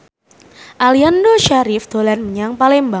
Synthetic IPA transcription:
ʔaliandoʃaɾɪfd̪̥o̤lanməɲaŋpalɛmba

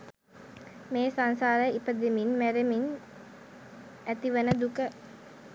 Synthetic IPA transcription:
meːsaŋsaːɾəipəd̪eminmæɾemin | æt̪iʋənəd̪ukə

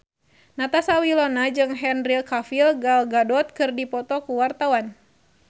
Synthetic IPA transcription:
nat̪asawilɔnad͡ʒɨŋɦɛnrilkafilɡalɡadɔt̪̚kɨrdipɔt̪ɔkuwart̪awan

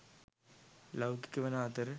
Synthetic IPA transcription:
lɐwki̥kʲːuʋɐnaːt̪ɐɾ

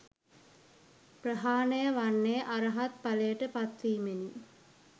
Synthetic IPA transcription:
prəɦaːnəjəʋanːejəʔaɾəɦat̪̚palejəʈəpat̪ʋiːmeni

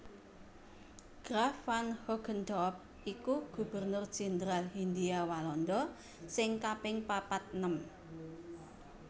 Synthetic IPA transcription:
ɡ̥ɾafanhɔɡ̥ənd̪ɔp̚ | ʔikuɡ̥ṳb̥ərnʊrd̥d͡ʒ̥ɛnd̪ɾalɦind̪iawalɔnd̪ɔ | sɪŋkapɪŋpapat̪̚nəm

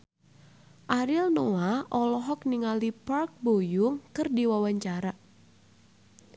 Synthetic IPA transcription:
ʔaɾɪlnɔaʔɔlɔɦɔk̚niŋalipark̚bojʊŋkɨrdiwawaɲt͡ʃaɾa

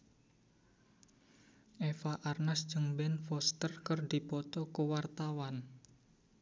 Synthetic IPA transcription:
ʔefaʔarnasd̥ʒ̥əŋbɛnfɔst̪ərkərdipɔt̪ɔkəwart̪awan

